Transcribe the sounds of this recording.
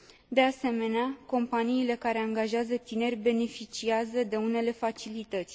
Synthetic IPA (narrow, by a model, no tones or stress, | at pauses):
d̪e̞ase̞me̞neako̞mpaniːle̞kaɾe̞aŋɡaʒeazət̪ine̞rʲbe̞ne̞fit͡ʃiazəd̪e̞une̞le̞fat͡ʃilit̪ət̪sʲ